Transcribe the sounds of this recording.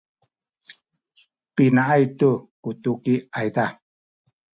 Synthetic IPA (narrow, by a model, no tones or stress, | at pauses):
pinaʔajt̪ukut̪ukiajt̪a